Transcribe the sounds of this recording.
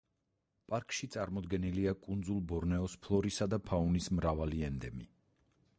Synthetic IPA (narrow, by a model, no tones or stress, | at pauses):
pʼaɾkʼʃit̪sʼaɾmɔd̪ɡɛniliakʼund̪zulˠbɔɾnɛɔspʰlˠɔɾisad̪apʰaunismɾavaliɛnd̪ɛmi